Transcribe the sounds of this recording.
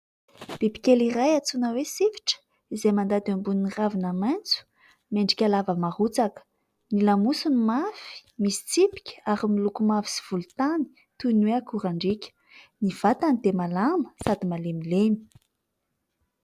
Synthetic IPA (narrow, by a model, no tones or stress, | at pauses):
b̥ebi̥kʲelirajat͡sunəwesivi̥ʈ͡ʂə̥ | izejmand̪ad̪ambuniniravinamant͡su̥ | meɳɖ͡ʐikʲalavəmaɾut͡sakə̥ | nilamusunimafi̥misi̥t͡sipi̥kʲə̥aɾimilukumavi̥si̥v̥ult̪ani̥ | t̪unweakuɾaɳɖ͡ʐikʲə̥ | niv̥at̪anid̪emalamə̥sad̪imalemileni̥